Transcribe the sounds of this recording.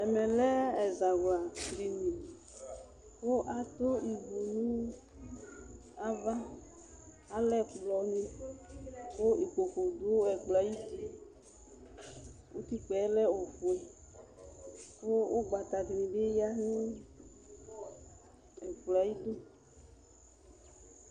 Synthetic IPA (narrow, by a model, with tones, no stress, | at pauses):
ɛ˨mɛ̃˨lɛ˦ɛ˨za˨ɡa˨tɾi˨nĩ˨ | wo˦ʔa˨t̪o˦i˨vu˨nũ˦ | a˦va˦ | a˨lɛ˦˨kblɔ˨˦nĩ˦ | wo˦i˨ko˨ko˨d̪o˨˦o˦ɛ˨k͡pla˨ji˦ti˦ | wo˦t̪i˦k͡pɛ˨˦lɛ˦o˨fo˨ɛ˨ | wo˦wo˦ɡ͡ba˨t̪a˨di˨nĩ˨ɖe˦ja˦nĩ˦ | ɛ˨k͡pla˨ji˦d̪o˦